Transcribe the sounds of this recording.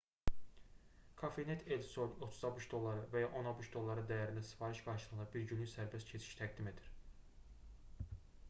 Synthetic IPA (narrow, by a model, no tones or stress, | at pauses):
kʰɑfenet̪ʰelso̞no̞t̪ʰuzɑbuʃd̪o̞lˠːɑɾɯvæjɑʔo̞nɑbuʃd̪o̞lˠːɑɾɯd̪æjæɾinæsi̥fɑɾiʃɡ̥ɑɾʃɯlˠɯnɑbiɾɟynlyçsæɾbescʰet͡ʃʰi̥ʃt̪ʰæɡd̪ime̞d̪iɾ̥